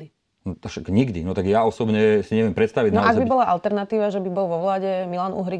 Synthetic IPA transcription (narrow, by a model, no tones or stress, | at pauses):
i | aʃakɲiɡd̪ḭnɔt̪aɡjaɔsɔbɲɛsiɲɛʋɛmpɾɛt̪st̪aʋiɟnɔaʔaɡbibɔlaʔalt̪ɛɾnat̪iːʋaʒɛbibɔlʋɔʋlaːɟɛmilaːnṵɦɾi